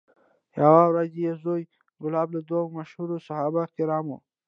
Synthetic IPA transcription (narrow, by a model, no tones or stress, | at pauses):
jawawɾazejezoj | ɡʊlɑblad̪wamaʃhuɾosahɑbaɪht̪ɪɾɑmo̰